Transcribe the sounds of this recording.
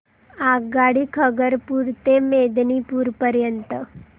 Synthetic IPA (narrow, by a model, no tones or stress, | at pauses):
aɡaɽikʰəɡəɾpuɾt̪emed̪nipuɾpəɾjənt̪ə